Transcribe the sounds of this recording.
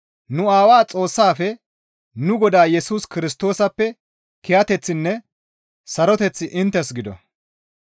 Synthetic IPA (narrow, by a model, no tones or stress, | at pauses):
nʊaːwaːt͡sʼo̞ːsːaːfɛ | nʊɡɔd̪aːjɛsuːskɪɾɪst̪o̞ːsɐpːɛ | kɛjɐt̪ɛt͡sːɪnːɛ | sɐɾɔt̪ɛt͡sːɪʔɪnt̪ːɛs̬ɡɪd̪ɔ̰